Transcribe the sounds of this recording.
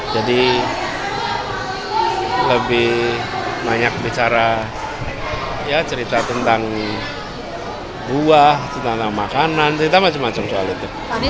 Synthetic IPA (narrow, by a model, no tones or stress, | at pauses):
d͡ʒadi | ləbɪh | baɲak̚bit͡ʃaɾa | jat͡ʃəɾit̪at̪ənt̪aŋ | buaht̪ənt̪aŋt̪aŋmakanant͡ʃəɾit̪amat͡ʃamːat͡ʃamsoalit̪u